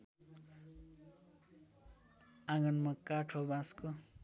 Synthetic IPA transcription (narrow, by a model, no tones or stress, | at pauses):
aɡʌnmʌkːaʈʰobasko